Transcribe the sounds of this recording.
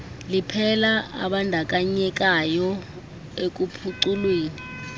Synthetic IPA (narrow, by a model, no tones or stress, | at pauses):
lipʰɛlaa̰ɓandʱak̬ʼaɲɛk̬ʼajɔ | ek̬ʼupʰuǀulweːni